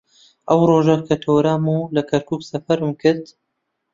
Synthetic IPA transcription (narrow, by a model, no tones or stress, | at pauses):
ʔɐwroːʒɐkʰɐt̪ʰoːɾaːmulɐkʰɐɾkuːksɐfɐɾɨmkʰɨɾt̪